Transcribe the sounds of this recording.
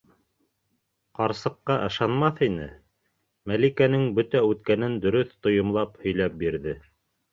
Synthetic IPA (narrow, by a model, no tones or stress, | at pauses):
qɑɾsɤ̆qːɑʔɤ̆ʃɑnmɑθinɘ̰ | mælikænɘŋbɵt̪æʉt̪kænɘnd̪ɵ̆ɾɵθt̪ŏjŏmlˠɑphɵ̆jlæp̚biɾðɘ